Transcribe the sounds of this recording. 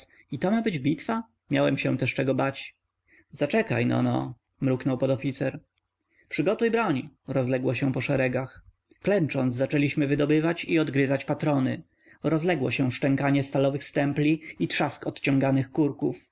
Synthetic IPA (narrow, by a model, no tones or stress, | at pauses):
it̪ɔmabɘd͡ʑbʲit̪fa | mʲjawɛmɕɛ̃t̪ɛʂt͡ʂɛɡɔbat͡ɕ | zat͡ʂɛka̰jnɔ̰nɔ̰ | mɾuknɔwpɔd̪ɔfʲit̪sɛɾ | pʂɘɡɔt̪ujbɾɔɲɾɔzlɛɡwɔɕɛ̃pɔʂɛɾɛɡax | klɛnt͡ʂɔnd̪zzat͡ʂɛlʲiɕmɘvɘd̪ɔbɘvat͡ɕiɔd̪ɡɾɘzat͡ɕpat̪ɾɔnɘ | ɾɔzlɛɡwɔɕɛ̃ʂʈɛŋkaɲɛst̪alɔvɘxst̪ɛmplʲiit̪ʂaskɔt̪t͡ɕɔ̃ŋɡanɘxkuɾkuf